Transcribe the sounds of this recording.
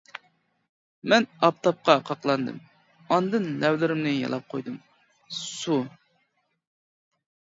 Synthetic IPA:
mɛnɑp̚t̪ʰɑp̚qɑqʰɑqlˠɑnd̪ɨ̰m | ɑnd̪ɨnlɛwlɪɾɪmnɪjɑ̰lˠɑp̚qʰojd̪ɨm | su

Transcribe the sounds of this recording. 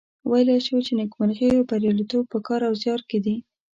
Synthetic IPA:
wajleʃwt͡ʃenɪkmanɣejopaɾjɑlit̪ob̚pəkɑɾawzjɑɾked̪i

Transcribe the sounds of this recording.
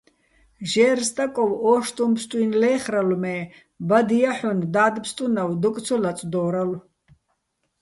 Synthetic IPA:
ʒɛːrst̪ʼakʼɔwɔːʃt̪ʼumpst̪ʼwinlɛːχralmɛː | bad̪ijaħund̪aːd̪pst̪ʼunawd̪ɔk̪ʼt͡sʰɔlat͡sʼd̪ɔːɾal

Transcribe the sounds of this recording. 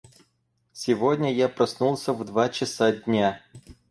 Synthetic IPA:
sʲɪvodʲnʲəjapɾɐsnulˠsʲəvd̪vat͡ɕɪsadʲnʲa

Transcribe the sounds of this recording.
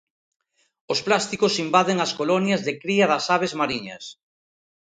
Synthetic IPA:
osplast̪ikosimbaðeŋɐskolɔnjɐzðɪkɾiɐðɐsaβ̞ezmaɾiɲɐ̰s

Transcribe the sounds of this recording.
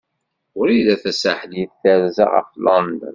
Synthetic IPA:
ʊɾiðæθæsaħljiθθæɾzæ̰ʁɑ̰flɑnd̪ə̰n

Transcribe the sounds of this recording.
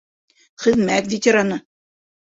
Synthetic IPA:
χɘ̆ðmækvʲitʲeɾanɤ̆

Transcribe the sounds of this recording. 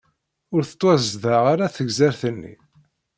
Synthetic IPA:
ʊɾθə̥t̪ˤːwæzðaʁaɾaθəɡzæɾθənːḭ

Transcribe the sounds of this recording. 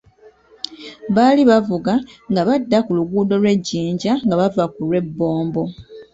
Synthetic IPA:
βaliβavuɡaŋɡaβadːakuluɡuːdo̞lwe̞ɟːiːɲɟaŋɡaβavakulwe̞bːo̞ːmbo̞

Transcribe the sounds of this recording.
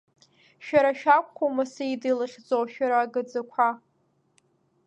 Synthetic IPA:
ʃᶣaɾaʃᶣakʷʰʼχʷomaseidilɨχʲd͡zowʃᶣaɾaːɡɨd͡zakʷʰa

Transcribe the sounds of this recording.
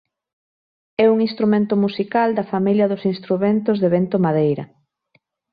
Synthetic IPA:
ɛuŋinst̪ɾumẽnt̪ʊmusikald̪ɐfamiljɐðʊsinst̪ɾument̪ʊzðeβent̪omaðejɾɐ̰

